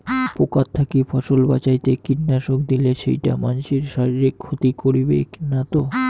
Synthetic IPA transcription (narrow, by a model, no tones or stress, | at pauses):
pokat̪ʰːakifʰɔʃolba̰t͡ɕajt̪ekiʈnaʃok̚d̪ileʃḛjʈamanʃiɾʃaɾiɾikʰːot̪ikoɾibḛknat̪o